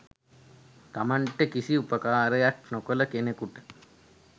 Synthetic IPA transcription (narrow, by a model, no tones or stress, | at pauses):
t̪amaɳʈəkisiupɐkaːɾɐjaknɔkoləkenekuʈə̥